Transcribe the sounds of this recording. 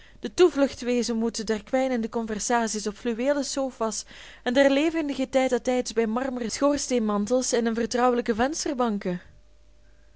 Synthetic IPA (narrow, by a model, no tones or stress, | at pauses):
d̥ətuvlɵxtʋeːzənmutədɛrkʋɛjnəndəkɔnvɛrsaːsisɔpflyʋeːləsoːfɑs | ɛndɛrleːvəndəɣətɛjtɛtɛjdzbɛjmɑrmurəsxoːrsteːnmɑntəlˠsɪnənvərtrʌwələkəvɛnstərbɑŋkə